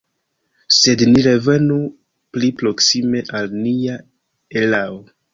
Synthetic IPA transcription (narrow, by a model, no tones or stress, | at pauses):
se̞dniɾe̞ve̞nu | plipɾo̞ksime̞ʔalnia | elao